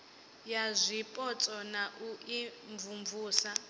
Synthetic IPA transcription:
jazʷipʼɔt͡sʼɔnaʔuiɱvumvuːsa

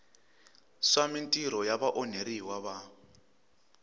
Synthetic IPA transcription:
swamintʼiɾɔjaβaʔɔneɾiwaβa

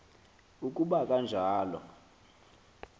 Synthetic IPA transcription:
uk̬ʼuɓakʼand͡ʒʱaːlɔ̰

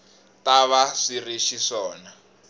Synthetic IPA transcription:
taβaʂiriʃiʂɔːna

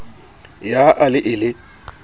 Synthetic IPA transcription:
jaʔalɪʔɪlɪ

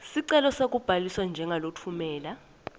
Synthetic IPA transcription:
siǀɛlɔsak̬ʼub̥ʱaliswand͡ʒʱɛŋʱalotʰumɛːla

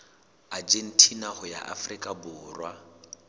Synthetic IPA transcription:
ad͡ʒen̩tʰinahʊja̰ʔafrikʼabʊːrwa

